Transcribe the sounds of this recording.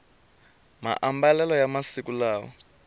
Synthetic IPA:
ma̰ʔambalɛlɔjamasikulaːwɔ̰

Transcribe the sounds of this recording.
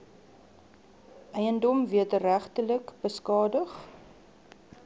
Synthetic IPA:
ʔɛjəndɔmviətəræχtələkbəskɑːdəχ

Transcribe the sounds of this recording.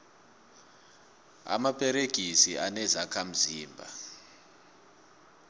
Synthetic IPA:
a̰mapʰʼɛɾeɡ̥ʱisianɛzakʰam̩ziːmbʱa̰

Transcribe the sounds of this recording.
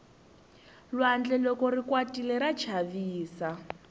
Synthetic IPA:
lwand͡ɮɛlɔkɔrikwatilɛɾat͡ʃʰaviːsa

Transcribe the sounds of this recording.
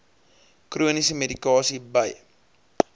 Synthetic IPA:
kruənisəmedikɑːsibəj

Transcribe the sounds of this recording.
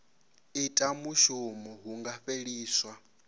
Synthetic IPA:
itʼamuʃumɔɦuŋɡaɸeɺiːswa

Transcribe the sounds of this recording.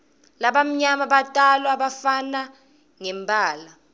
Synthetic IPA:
laɓam̩ɲamaɓatʼalwaɓafana | ŋɛmbʱʼaːla

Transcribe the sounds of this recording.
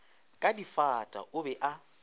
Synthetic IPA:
kʼadifatʼa̰ʔʊbɛʔa

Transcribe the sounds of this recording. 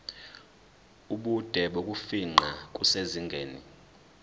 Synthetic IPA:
uɓud̥ʱɛɓok̬ʼufiŋ͡ǃʱak̬ʼuseziŋɡʱeːnḭ

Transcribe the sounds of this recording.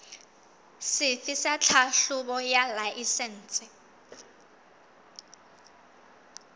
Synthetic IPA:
sɪfɪsat͡ɬʰaɬʊbɔjalaʔisɛn̩ːt͡sʼɪ

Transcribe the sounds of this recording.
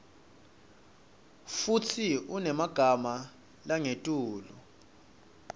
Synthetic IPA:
futʰiunɛmaɡ̥ʱama | laŋetʼuːlu

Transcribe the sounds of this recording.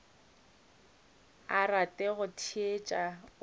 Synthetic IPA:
aratʼɛɣʊtʰiet͡ʃʼa

